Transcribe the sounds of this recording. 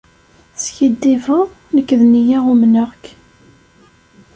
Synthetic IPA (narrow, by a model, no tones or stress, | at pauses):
sçid̪ːivəʁ | nəkːðnijæʁumnəʁk